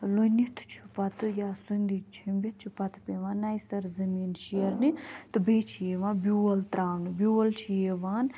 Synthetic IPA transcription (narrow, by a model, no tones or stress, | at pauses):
lojnit̪ʰt͡ʃʰu̥pɐt̪ʰɨjaːsund̪it͡ʃʰimbʲet̪̚t͡ʃʰupɐt̪ʰpʲeʋãːnajsɐɾzɐmiːnʃiɐɾnit̪ɨbeːt͡ʃʰijeʋãːnbjuɐlt̪ɾaːwnɨbʲuɐlt͡ʃʰijeʋaːn